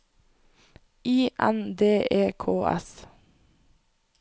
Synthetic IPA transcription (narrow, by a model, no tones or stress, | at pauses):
ʔiːʔæ̰nd̪eːʔeːkʰoːʔɛ̰s